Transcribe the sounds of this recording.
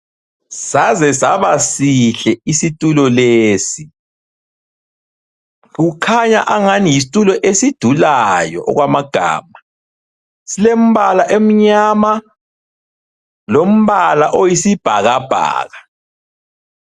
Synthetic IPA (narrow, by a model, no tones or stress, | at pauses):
sazɛsaβasiɬɛisitʼulɔleːsi | ɣukʰaɲaʔaŋanijis̬i̥tʼulɔʔesid̥ʱulajɔ̰ʔɔ̰ɣwamaɡ̥ʱa̰ːma | silem̩βalaʔem̩ɲama | lom̩βalaʔojisib̥ʱaɣab̥ʱa̰ːɣa